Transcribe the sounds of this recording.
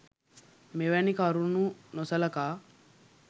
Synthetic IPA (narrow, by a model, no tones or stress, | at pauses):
meʋænikaɾununosɐlɐkaː